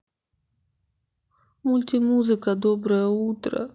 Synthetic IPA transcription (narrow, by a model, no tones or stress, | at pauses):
mʊlʲtʲɪmuzɨkəd̪obɾɨjəut̪ɾə̰